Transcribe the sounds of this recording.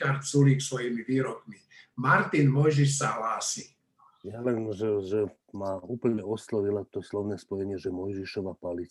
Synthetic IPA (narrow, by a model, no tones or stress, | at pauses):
aɾt͡suliːksʋɔjimiʋiːɾɔkmi | maɾt̪inmɔjʒiʃsaɦlaːsi | jalɛnʒɛʒɛ | mauːpl̩ɲɛɔslɔʋilat̪ɔslɔʊnɛːspɔjɛɲɪɛʒɛmɔjʒiʃɔʋapalit͡s